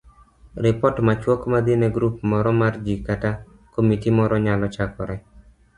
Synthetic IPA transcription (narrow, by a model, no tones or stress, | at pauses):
ɾɪpɔtmat͡ʃwɔkmad̪ɪnɛɡɾupmɔɾɔmard͡ʒikata | komitimɔɾɔɲalɔt͡ʃakɔɾɛ